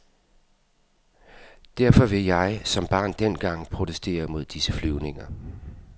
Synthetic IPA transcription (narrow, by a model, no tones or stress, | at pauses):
d̥æɐ̰fɒ̽ʋe̝jɑ̈ɪsɒ̽mb̥ɑ̈ːnd̥en̰ɡ̥ɑ̈ŋ̰pʰʁo̝t͡sʰesd̥e̝̰ːɐmo̝ð̞̰ˠd̥isəflyʊne̝ŋɐ